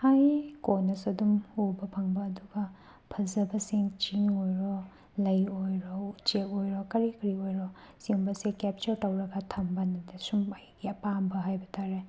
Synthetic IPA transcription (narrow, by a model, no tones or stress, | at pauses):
hajkonɐsɐdumubɐpʰɐŋbɐːduɡɐ | pʰɐlzɐbɐsiŋt͡ʃiŋojɾɔ | lɐjojɾɔut͡ʃekojɾɔkɐɾikɾiojɾɔsiombɐsekep̚t͡ʃɐɾtɐwɾɐɡɐtʰɐmbɐnɐdesumɐjɡiɐpambɐɦajbɐtʰaɾe